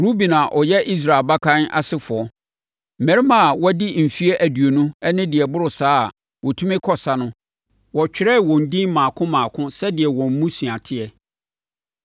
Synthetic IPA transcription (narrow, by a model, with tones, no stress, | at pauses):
ɾu˦bi˨nã˨ʔɔ˨jɛ˦ʔi˦s̬ɾaː˨e˨lba˦kʰã˦na̰˨sɪ˦fʊ˨ɔ˨ | m̩˨mæ̃˨ɾɪ˦mã˨wɔ˦dɪ˦m̩˨fi˦e˦ʔæ˨du˨o˨nũ˦ɛ˦nɪ̃˦dɪ˨ɛ˨bʊ˦ɾʊ˨saː˦˨ | wʔɔ˨tʰũ˦mɪ̃˦kʰɔ˦sa˦nʊ̃˦ | wɔ˨t͡ɕᶣɪ˨ɾɛ˦˨wɔ̃˨n̩˨dĩ˦m˦mãː˨kʰʊ̃˦mãː˨kʰʊ̃˦sɛ˦dɪ˨ɛ˨wɔ̃˨m̩˦mũ˦su˨a˨tʰɪ˦ɛ˨